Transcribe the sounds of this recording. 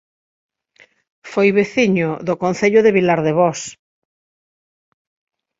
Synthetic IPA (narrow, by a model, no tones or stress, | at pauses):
fojβeθiɲʊðʊkon̟θeʎʊðeβilaɾðeβɔs